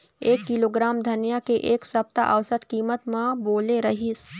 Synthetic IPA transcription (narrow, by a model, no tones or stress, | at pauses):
eːkːɪloːɡɾaːmd̪ʱɐnjakeʔeːksɐp̚t̪a̰ʔɐʋsət̪kiːmət̪mãboːleɾɐɦis